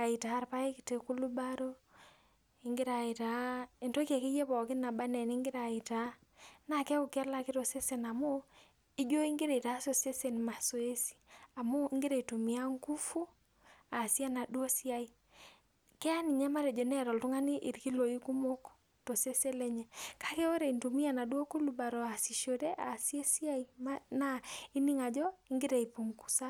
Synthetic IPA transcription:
a˨i˨taː˨˦ɾpa˦e˦ki˨te˨ku˦lu˦ba˦ɾo˦ | i˨ŋɡɪ˦ɾa˨i˨ta˨˦e˨nto˦ke˨ki˦je˦pɔ˨kɪ˦na˨ba˦nɛ˨ni˦ŋɡɪ˦ɾa˨i˨ta˨˦ | na˨kɛ˦ku˨ka˦la˦kɪ˦ɾo˨se˦se˨na˨mo˦ | i˦d͡ʒo˦i˦ŋɡi˦ɾe˨ta˨˦so˦˨se˦se˨nma˨so˨e˦si̥˨a˨mo˦i˦ŋɡe˦ɾe˨to˨mi˨a˦ŋɡu˦fu˦ | a˨si˦a˦na˨ɗwo˦si˦a˦i˦ | kɛ˦a˦ni˨ɲɛ˦ma˦ɾe˨d͡ʒɔ˨nɛ˦˨ɾɔ˨ltu˦ŋa˦ni˦ʔi˨ɾki˦lo˨i˦ku˦mo˦k | to˨se˦se˦lɛ˦ɲɛ˨kḁ˦kɛ˦o˦ɾe˨i˨ntu˨mi˦a˨na˨dwo˦ku˦lu˨ba˨ɾɔ˨a˨si˨ʃo˨ɾe˦ʔa˨si˦e˦si˦a˦i˨mana˨i˦ni˦ŋa˨d͡ʒɔ˦i˦ŋɡe˦ɾe˨i˨pu˨ŋku̥˨sa˦

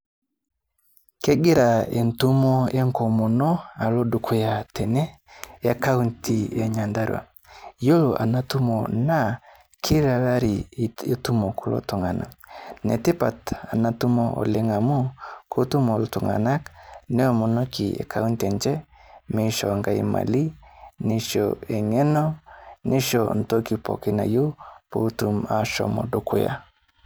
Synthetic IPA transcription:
ke˦ɡɪ˦ɾa˨e˨ntu˦mo˦e˦ŋko˨mo˨no˦a˨lo˦du˨kʰu˦ja˨tʰɛ˨nɛ˦ | e˦ka˦u˦nti˨e˦ɲa˨nda˦ɾw̰a̰˨ | jo˦lo˨ʔa̰˨na˦tu˦mo̰˨na˦ | kʰi˦la˨la˦ɾi˨e˦tu˦mo˨ku˨lo̰˦tu˨ŋa˨na̰˨nḛ˨tɪ˦pa˨ta˨na˨tu˦mɔo̰˨le˦ŋa˨mu˦ko˦tu˦mo˨lotu˨ŋa̰˨na˦knɛ˦ɔ˦˨mɔ˨no˦ki˨ḛ˨kʰa˦u˦ntɛ˨nt͡ʃɛ˦ | me˦ʃɔ˨ŋɡa˦ḭ˦ma̰˨li˦ne˦ʃoe˨ŋɛ˦nɔ˦nʔe˦ʃɔ˨nto˦ki˨pɔ̰˨kɪ˦na̰˨jo˦po˦tu˦ma˨ʃɔ̰˨mɔ̰˨do˦kʊ˦ja̰˨

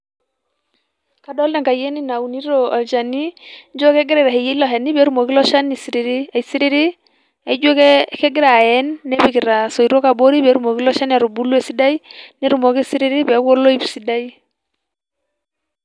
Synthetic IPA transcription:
ka˨dɔ˦lna˨ŋka˨je˦ni˦na˨wu˨ni˦ɾo˦a˨ld͡ʒa˨ni˦d͡ʒo˦kɛ˦ɡɪ˦ɾɛ˨ɾa˨he˨je˦lɔ˨ɦɛ˨ni˦bɛ˦ɾu˦mo˨ki˦lɔ˦ʃa˦ni˨si˨ɾi˨ɾi˦a˨i˨si˦ɾi˦ɾi˦ | a˨i˦d͡ʒo˦kkɛ˦ɡɪ˦ɾa˨jɛ˦nːɛ˦bi˨ki˨ɾa˨so˨i˨ɾo˦ka˨bo˦ɾi˦be˨˦ɾu˦mo˨ki˦lɔ˦ʃa˦na˨ɾu˨bu˦lu˦e˨si˦da˦jnɛ˦ɾu˨mo˨ki˦si˦ɾi˦ɾi˦bɛ˨˦ko˦lo˦i˦psi˨da˦j

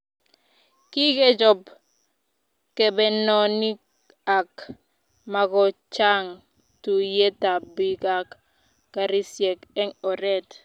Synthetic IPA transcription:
ki˦kɛ˨d͡ʒɔ˨p | kɛ˨bɛ˨nɔ˨ni˦ | a˨k | ma˨kɔ˨t͡ʃa˦ŋ | tu˨je˦ta˨bi˦˨ka˦kː | a˨ɾi˦sjɛ˨kɛ˦ŋɔ˨ɾɛ˦˨t

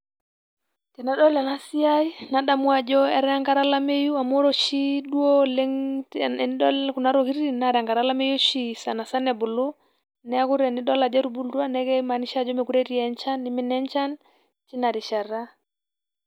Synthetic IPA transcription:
kɛ˨na˨˦ɗɔ˦lɛ˨na˦si˦a˦i˦na˨ɗa˨mu˦a˨d͡ʒɔ˦ɛ˦ɾɛ˦a˦ŋɡa˦ɾa˦la˦me˦ju˦a˨mɔ˦ɾɔ˦ʃi˦ɗu˦ɔ˦lɛ˦ŋɛ˨ni˦ɗɔ˦lku˨na˦ɾɔ˨ki˦ɾi˦na˨ɾa˨ŋɡa˨ɾa˦la˦mɛ˦ju˦ʃi˦sa˨na˨sa˦nɛ˨bu˨lu˦ | nɛ˦a˦ku˦ɾɛ˨ni˦ɗɔ˦la˨d͡ʒɛ˦ɾu˨bu˦lɾu˦a˦nɛ˦kɛ˦ma˨ni˦ʃa˦d͡ʒɔ˦mɛ˨ku˦ɾɛ˦ɾi˦ɛ˦nt͡ʃa˦nːi˨mi˦nɛ˦nt͡ʃa˦n | t͡ʃi˦na˨ɾi˨ʃa˨ɾa˦

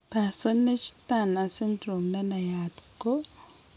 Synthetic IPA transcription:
pa˨so˦nːeci̥ta˨na˨si˦ndɾo˨mna˦na˨jaːtu̥ko˦

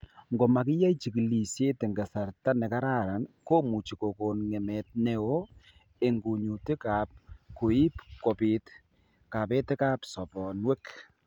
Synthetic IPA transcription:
ŋɡo˨ma˨kɪ˦ja˦jt͡ʃi˨ki˨li˨se˦te˨ŋɡa˨sa˨ɾta˦nɛ˨ka˦ɾa˦ɾa˨nko˦mu˨t͡ʃi˨ko˨ko˨nŋɛ˨mɛ˨t̚nɛ˨o˦ | e˨ŋɡu˨ɲu˨te˦ka˨p̚ko˨i˦pkɔ˨pɪ˨t | ka˨pɛ˦tɛ˦ka˦psɔ˨pɔ˨nwɛ˦k

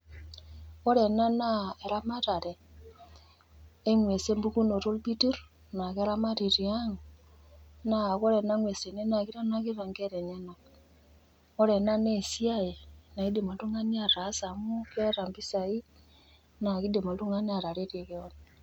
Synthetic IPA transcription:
ɔ˦ɾɛ˨na˦na˦e˨ɾa˦ma˦ta˨ɾɛ˨ | e˦ŋwe˨se˦mbu˦ku˦no˨to˦lbi˦ti˦r | na˨ke˦ɾa˦ma˦ɾi˨ɾi˨a˦ŋ | na˨ko˦ɾe˨na˦ŋwe˨se˨ne˦na˨ki˦ɾa˦na˦ki˦ɾa˨ŋɡɛ˦ɾɛ˨ɲa˦na˨ | wɔ˦ɾe˨na˦ne˦˨si˦a˦e˨na˨i˦di˨mo˨tu˦ŋa˦ni˦a˨ɾa˨˦sa˨mu˦ke˦ɾa˨mbi˦sa˨i˦ | na˨ki˦de˨mo˨tu˦ŋa˦ni˦a˨ɾa˨ɾe˦ɾe˨ke˦o˦n

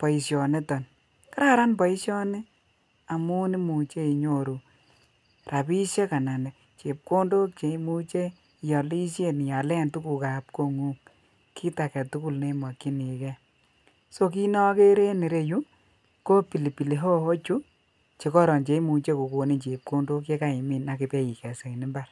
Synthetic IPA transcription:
pɔ˨i˨sjɔ˨ne˦tɔ˨n | ka˦ɾa˦ɾa˦npɔ˨i˦sjɔ˦ne˦ | a˨mu˦ni˦mu˨t͡ʃe˦i˨ɲo˦ɾu˨ | ra˨pi˦ʃje˦ka˨na˨ne˨ | t͡ʃe˨p̚ko˦ndo˦k̚t͡ʃe˨i˦mu˦t͡ʃe˦ | jɔ˨li˦ʃje˦˨ni˨ja˨lɛ˦ntu˦ku˨ka˨p̚ko˦ŋu˦ŋ | ki˦ta˨kɛ˨tu˦ku˦˨lne˦ma˨ki˦ni˨kɛ˦ | so˦ki˦nɔ˦ke˦ɾe˦ni˨ɾe˦ju˦ | ko˦pi˨li˨pi˨le˨ɦo˦o˦t͡ʃu˦ | t͡ʃe˨kɔ˦ɾɔ˨nt͡ʃe˨˦i˦mu˨t͡ʃe˦ku˨ko˨ni˦t͡ʃe˨p̚ko˦ndo˦kje˦ka˨i˨mi˨na˨kɪ˨pe˦ji˨kɛ˨se˨ni˨mba˦r

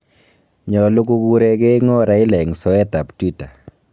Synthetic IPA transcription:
ɲɔ˨lʊ˦ɡu˦ɡu˦ɾe˨ɡe˦ŋɔ˦ɾa˨ɪ˦lɛ˨ŋsɔ˨ɛ˦ta˨pti˦ta˨

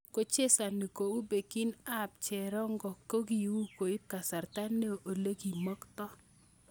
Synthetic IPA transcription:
ko˦t͡ʃe˦sa˨ni˨ko˨u˦be˨ki˦na˦˨p̚t͡ʃɛ˨ɾɔ˦ŋɡɔ˨kːo˦ɡi˨wu˦ko˨i˦p̚ka˨sa˨ɾt̪a˦nːe˦ʔo˨le˦ɡi˨mə˦kt̪ɔ˦

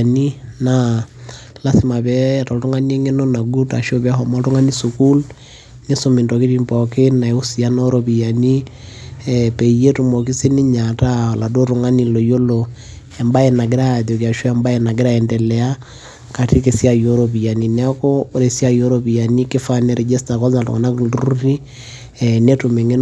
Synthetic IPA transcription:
ni˦na | la˦si˨ma˨βɛ˦a˨tɔ˨to˦ŋa˦ni˦e˦ŋe˦no˦na˨ɡu˦ta˨ʃo˦βɛ˦ɦɔ˨mɔ˦to˦ŋa˦ni˦su˨ku˦l | ne˦so˦mi˨ndɔ˨ki˦ɾi˦mbɔ˨ke˦na˨e˨o˦si˨a˦nɔ˦ɾo˦βi˨ja˨ni˦ | ɛpɛ˨i˨je˦tu˨mo˨ki˦se˦ni˦ɲa˨ta˦˨la˨do˦ɾo˨ŋa˦ni˨lɔ˨jo˦lo˨ | ɛ˨mba˦ɛ˨na˨ɡɪ˦ɾa˦a˨do˨ki˨a˨ʃu˦ɛ˦˨mba˦ɛ˨na˨ɡɪ˦ɾa˦˨ɛ˨ndɛ˨lɛ˨a˦ | ka˨ti˦ke˨si˦a˨jo˦ɾo˨bi˨ja˨ni˨nɛ˦ɔ˦kɔː˦ɾe˨si˦a˦jo˦ɾo˦bi˨ja˨ni˦kɪ˦fa˦ne˦ɾʔɛ˨˦d͡ʒɛ˦sta˨kɔ˦a˨tṵ˨ŋa˨na˦kdu˦ɾu˦ɾi˦ | ɛne˦to˨me˨ŋe˦n

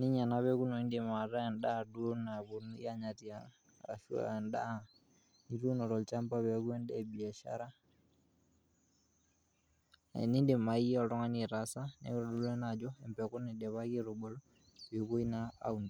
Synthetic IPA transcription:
ni˦ɲa˨naβɛ˦ku˦nɔ˨i˦nde˨ma˨ɾa˦˨nda˦˨du˦na˨βu˨nu˦ja˦ɲa˨tia˨ | ɾa̰˨ʃu˦a̰˨nda˦ | ni˦ɾu˦nɔ˨ɾɔ˨lt͡ʃa˦mpa˦βɛkwɛ˦ndɛ˦bi˨a˨ʃa̰˦ɾa˦˨ | ɛ̰˨ni˦nde˨ma˨i˦ja˦ɔ˨ɾɔ˦ŋa˦ni˦˨ɾasa˦nɛ̰˦ɾɔ˨du˦lɛ˦na˨d͡ʒɔɛ˨mpɛ˨ku˦nɛ˨dɛ˨βa˦ke˦ɾoɓɔ˦lɔ˦ | βe˨ko˦i˦na˦a̰˦u˨nd

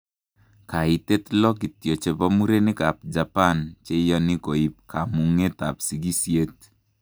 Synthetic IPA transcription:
ka˨ɪ˨te˦t̪lɔ˦ki˨tjo˨t͡ʃe˨pa˦mu˦ɾe˦nɪ˦ka˨p̚d͡ʒa˨pa˦nt͡ʃe˦ja˦ni˦ko˨i˨p̚kʰa˨mu˨ŋe˦ta˨psi˨ɡi˦sje˦t̪̚

